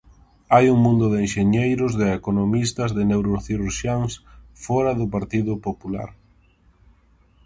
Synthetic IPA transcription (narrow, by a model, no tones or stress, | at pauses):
ajuŋmũnd̪ʊðenʃeɲejɾʊzðɪekonomist̪ɐzðɪnewɾoθiɾuɾʃjaŋsfɔɾɐðʊpaɾt̪iðʊpopula̰ɾ